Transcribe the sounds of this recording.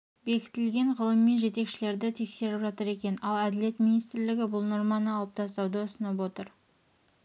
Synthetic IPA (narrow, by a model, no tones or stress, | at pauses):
be̞kʲɪ̥t̪ɪlɡʲe̞ɴʁəlˠəmːenʒe̞t̪e̞kʃɪle̞ɾd̪ɪt̪ʰe̞kse̞ɾɪpʒɑt̪əɾe̞kʲe̞nɑlˠæd̪ɪle̞t̪minijst̪ɪɾlɪɡʲɪbʊlˠno̞ɾmɑnəɑlˠəp̚t̪ʰɑst̪ɑwd̪əʊsənəp̬wo̞t̪əɾ